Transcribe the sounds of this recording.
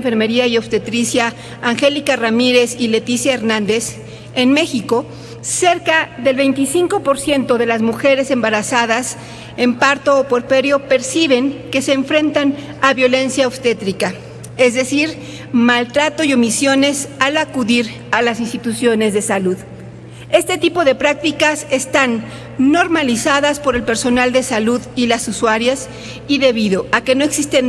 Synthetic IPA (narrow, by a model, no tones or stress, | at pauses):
fe̞ɾme̞ɾiaiopst̪e̞t̪ɾisjaː | ŋxe̞likaramiɾe̞sile̞t̪isjaeɾnãnd̪e̞s | enme̞xiko̞ | se̞ɾkaðe̞lβe̞jnt̪isiŋko̞po̞ɾsje̞nt̪o̞ðe̞lazmuxe̞ɾe̞se̞mbaɾasaðas | e̞mpaɾt̪o̞ːpo̞ɾpeɾjo̞pe̞ɾsiβ̞e̞ŋke̞se̞ːɱfɾe̞nt̪anaβjo̞le̞nsjaost̪e̞t̪ɾika | e̞zðe̞siɾ | malt̪ɾat̪o̞io̞misjo̞ne̞salakuðiɾ | alasinst̪it̪usjo̞ne̞zðe̞saluð | e̞st̪e̞t̪ipo̞ðe̞pɾak̚t̪ikase̞st̪anː | o̞ɾmalisaðaspo̞ɾe̞lpe̞ɾso̞nald̪e̞saluðilasuswaɾjas | iðe̞βiðo̞ʔake̞no̞e̞ksist̪en